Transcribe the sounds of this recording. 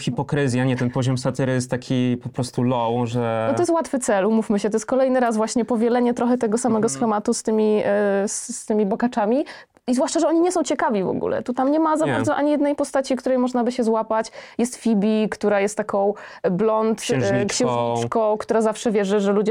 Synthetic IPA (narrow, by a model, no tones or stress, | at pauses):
xʲipɔkɾɘzʲjaɲɛt̪ɛnpɔʑɔmsat̪ɘɾɘjɛst̪ːakʲʰipɔpɾɔst̪ulɔwʐɛnɔt̪ɔjɛst̪wat̪fɘt̪sɛlumufmɘɕɛt̪ɔjɛst̪kɔlɛjnɘɾasvwaɕɲɛpɔvʲjɛlɛɲɛt̪ɾɔxɛt̪ɛɡɔsamɛɡɔsxɛmat̪ust̪ɘmʲist̪ɘmʲibɔkat͡ʂamʲi | izvwaʂt͡ʂaʐɛɔɲiɲɛsɔ̃w̃t͡ɕɛkavʲivɔ̰ɡṵlɛ̰t̪ut̪amɲɛmazabaɾd̪zɔʔaɲijɛd̪nɛjpɔst̪at͡ɕikt̪uɾɛjmɔʐnabɘɕɛzwapat͡ɕjɛst̪fʲibʲikt̪uɾajɛst̪ːakɔ̃w̃blɔnt̪ɕɛ̃kkɕɛ̃w̃ʐɲit͡ʂkɔ̃w̃kt̪uɾazafʂɛvʲjɛʐɘʐɛlud͡ʑɛ